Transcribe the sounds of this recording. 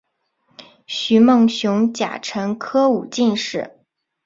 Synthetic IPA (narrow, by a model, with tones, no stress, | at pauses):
ɕy˧˥mɤ˥˩ŋɕjʊ˧˥ŋt͡ɕja̰˨˩ʈ͡ʂʰɤ˧˥ŋkʰɤ˥u˨˩t͡ɕi˥˧nʂɻ̩˥˩